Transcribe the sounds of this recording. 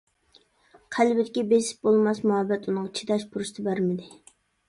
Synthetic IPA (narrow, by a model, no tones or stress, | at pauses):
qʰælbɪd̪ɪkʲibesɪ̥p̚bolˠmɑsmuɦɑbːɛt̪unɨŋɑt͡ʃʰi̥d̪ɑʃpʰuɾust̪ʰɨbæɾmɪd̪ɪ